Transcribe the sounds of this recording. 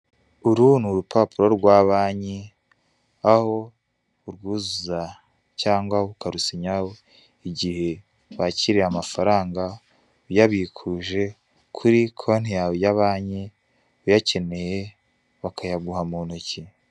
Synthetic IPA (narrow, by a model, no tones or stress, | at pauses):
uɾun̥uɾupʰapuɾoɾɡwaβaːɲe | aho̞ | uɾɡuːzuza | caːŋɡwaukaɾusiɲaho | iɟihe̞ | βaciɾeamafaɾaːŋɡa | ujaβikʰuʒe̞ | kʰuɾikʰon̥ijawejaβaːɲe | ujace̞ne̞je | βakʰajaɡuhamuːn̥uci